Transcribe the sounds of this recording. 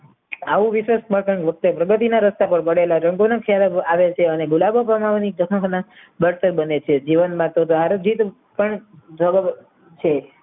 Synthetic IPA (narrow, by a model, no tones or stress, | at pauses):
aʋũʋiʃʋesməɾkəɳʋək̚t̪əpɾəɡət̪̬inaɾəst̪apəɳpəɽelaɾəŋɡonakʰejalaaʋet͡ʃʰeəneɡulabəpəmaʋnidəɦə̃na | bəɾt̪əɾbənet͡ʃʰed͡ʒiʋənmãt̪ot̪aɾod͡ʒit̪ | pəɳd͡ʒʱəɡəb | t͡ʃʰe